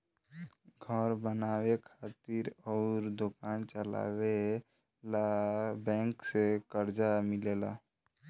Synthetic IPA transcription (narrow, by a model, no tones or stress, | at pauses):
ɡʱəɾbənaːwekʰaːt̪iɾɔʊɾd̪okant͡ʃəla̰we | labɛ̃ŋksekəɾd͡ʒamɪlela̰